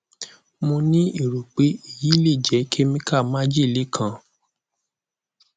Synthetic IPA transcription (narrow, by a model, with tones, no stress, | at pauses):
mõ˧nĩ˦i˦˨ɾu˨k͡pe˨˦i˦˨ji˨˦le˦˨d͡ʒɛ˨˦kʰe˦mĩ˦ka˦˨mã˦d͡ʒi˦˨le˨˦kʰã˧